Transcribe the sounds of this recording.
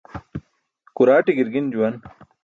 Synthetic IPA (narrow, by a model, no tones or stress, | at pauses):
kuɾaːʈiɡiɾɡind͡ʑuwɐn